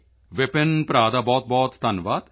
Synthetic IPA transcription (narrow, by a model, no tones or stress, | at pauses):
ʋɪpenpɾaːd̪abɔːt̪̚bɔːt̪ːɐnʋaːd̪